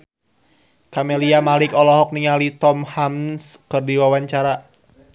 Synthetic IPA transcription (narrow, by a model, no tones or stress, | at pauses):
kamɛliamalɪkɔlɔɦɔk̚niŋalit̪ɔmhamskɨrdiwawaɲt͡ʃaɾa